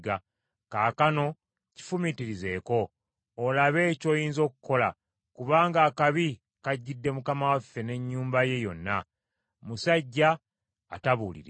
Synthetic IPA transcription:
ɡa | kaːkano̞ | ci̥fumitiɾize̞ːko̞ː | laβe̞ːco̞ːjiːnzo̞ːkuko̞la | kuβaːŋɡaːkaβi | kaɟːidːe̞mukamawafːe̞ne̞ɲːuːmbaje̞jo̞nːa̰ | musaɟːa̰ː | taβuːlḭɾe

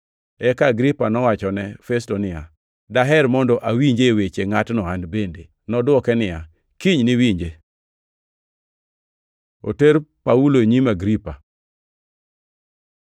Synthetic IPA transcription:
ɛkaːɡɾipanɔwat͡ʃɔnɛfɛstonɪja | daɦɛɾmɔndɔʔawiɲd͡ʒewet͡ʃeŋatnɔanbende | nɔdwɔkɛnɪja | kiɲniwiɲd͡ʒe | o̰teɾpauloɲimaɡɾipa

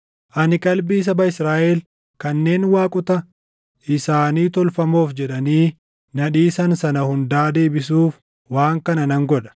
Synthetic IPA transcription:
ʔɐnɪkʼɐlbiːs̬ɐbɐɪsɾaːʔɛl | kɐnːe̞ːnwaːkʼʊt̪ɐ | ɪsaːniːt̪ɔlfɐmo̞ːfd͡ʒɛᶑɐniː | nɐᶑiːsɐnsɐnɐhʊnd̪aːd̪e̞ːbɪs̬uːf | waːŋkɐnɐnɐŋɡɔᶑɐ̥

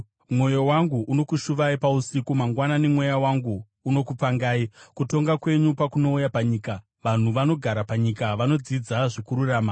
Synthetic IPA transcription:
mwo̞jo̞waŋɡuʔuno̞kuʃuʋaipausikumaŋɡwananemwe̞jawaŋɡuː | no̞kup͡faŋɡaːikuto̞ŋɡakwe̞ɲupakuno̞ujapaɲiːka | ʋan̤uʋano̞ɡʱaɾapaɲikaʋano̞d͡zid͡zaʐekuɾuraːma

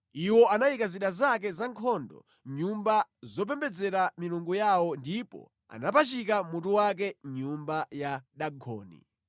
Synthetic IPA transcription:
iwɔanajikaziɗazakɛzaŋkʰɔndɔ̰ | ɲumbazɔp̬ɛmbɛd͡zɛɾamiluŋɡujawɔndipɔ̰ | a̰napat͡ʃikamutuwak̬ɛɲumbajaɗaɡɔ̰ːnḭ

